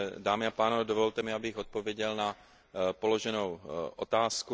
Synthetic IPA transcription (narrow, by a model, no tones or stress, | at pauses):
daːmɪapaːnovɛdovolt̪ɛmɪabɪɣot̪̚po̞vjɛɟɛlna | po̞lo̞ʒɛnowʔot̪aːsku